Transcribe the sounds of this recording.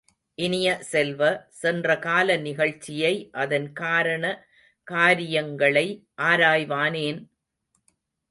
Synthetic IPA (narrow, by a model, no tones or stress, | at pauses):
ʔɪnɪjɐsɛlʋɐsɛndrɐkaːlɐnɪɣɐɭt͡ʃːɪjɐɪʔɐðɐnkaːɾɐɳɐ | kaːɾɪjɐŋɡɐɭɐɪʔaːɾaːjʋaːneːn